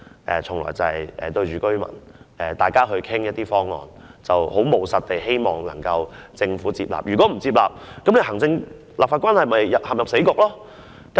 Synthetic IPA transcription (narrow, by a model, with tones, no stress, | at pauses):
ʔɛ̰˨t͡sʰʊ˨˩ŋlɔ̰ː˨˩jt͡sɐ˨hɐ˨˩jʔɛ̰ː˨t̪ɵ˧ɥt͡ʃyː˨kɵ˥ɥmɐ̰˨˩nɛː˨˩t̪aː˨˩jkaː˥ɦɵ˧ɥkʰɪ˥ŋjɐt̚t̪iː˥fɔː˥ŋŋɔ̰ː˨n | t͡sɐ˨who˨˥wmo˨˧wsɐ˨t̪̚t̪e˨jhe˥jmɔː˨ŋnɐ˨˩ŋkɐ˧wt͡sɪ˧ŋfuː˨˥t͡siː˧p̚la̰ː˨p̚jy˨kɔ˨˥m̩˨˩t͡siː˧p̚laː˨p̚kɐ˨˥mle˨˧jhɐ˨˩ŋt͡sɪ˧ŋ | laː˨p̚faː˧tkwaː˥nhɐ˨˩jmɐ˨jːɐ˨phɐ˨˩mjɐ˨p̚se˨˥kʊ˨˩k̚lɔː˥ | kɐ